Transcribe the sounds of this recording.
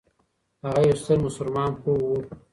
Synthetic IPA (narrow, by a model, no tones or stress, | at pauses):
haɣajawst̪əɾmʊsʊɾmɑːnpuwu